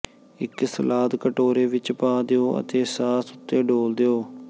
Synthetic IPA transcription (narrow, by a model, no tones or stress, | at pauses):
ɪksəlaːd̪kəʈoːɾeːʋɪt͡ʃpãːd̪eoːʔə̰t̪eːsaːsʊt̪ːeːɖoːld̪eoː